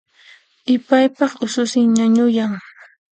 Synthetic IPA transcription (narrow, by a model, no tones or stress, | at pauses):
ɪpajpɑχʊsʊsɪŋɲaɲʊjaŋ